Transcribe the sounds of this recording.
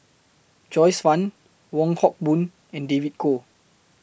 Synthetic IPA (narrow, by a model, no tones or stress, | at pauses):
d͡ʒɔjsfãn | wɔ̃ŋhɔk̚bũn | ɛ̃ndevit̚kʰo